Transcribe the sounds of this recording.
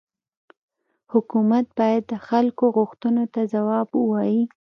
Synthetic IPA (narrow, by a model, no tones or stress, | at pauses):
hʊkumat̪̚bɑjad̪ːəxalkoɣʊxt̪unot̪azawɑbwɑji